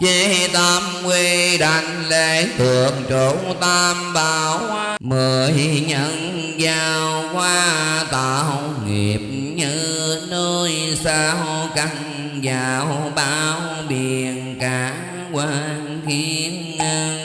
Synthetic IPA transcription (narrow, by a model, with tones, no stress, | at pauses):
t͡ɕe˧t̪a˧mkwe˧ɗa˧˨˩ŋle˧˨˩t̪ɨ˨˩əŋ̚t͡ɕo˨˦t̪aː˧mɓaː˨˧˨wwa˧mə˨˩jɲə˧˨ŋ | zaː˧wkwaː˧t̪a˨˩˧ŋḭ˨˩p̚ɲɨ˧nə˧jsaː˧wka˧˩ŋ | zaː˨˩wɓaː˧˦w | ɓi˨˩əənkaː˨˦ŋ | kwaː˧ŋ | xi˧˦nŋə˧ŋ